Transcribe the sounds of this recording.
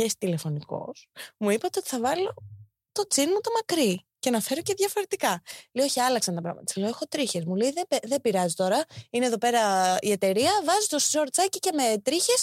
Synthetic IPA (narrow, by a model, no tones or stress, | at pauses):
est̪ile̞fo̞niko̰smuipɐt̪eot̪i̥θɐvɐlo̞ | t̪o̞t͡sinmɐt̪o̞mɐkɾi | cenɐfeɾo̞ce̞ðʝɐfo̞ɾe̞t̪ikɐlejo̞çiɐlɐksɐnt̪ɐpɾɐ̰mɐ̰t̪ɐsɐloe̞xo̞t̪ɾiçe̞zmuleiðeeðebiɾɐzit̪o̞ɾɐineðo̞pe̞ɾɐie̞t̪e̞ɾiɐvɐzit̪o̞szo̞ɾt͡sɐcice̞me̞t̪ɾiçe̞s